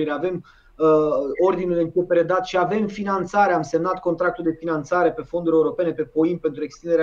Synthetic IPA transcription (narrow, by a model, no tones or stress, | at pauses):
iɾeave̞m | o̞rd̪inulɨŋkupeɾed̪at̪ʃiave̞mfinant̪saɾe̞amse̞mnat̪̚kont̪ɾak̚t̪uld̪e̞finant̪saɾe̞pe̞fo̞nd̪uɾʲe̞uɾo̞pe̞ne̞pe̞po̞inpent̪ɾue̞kst̪ind̪eɾe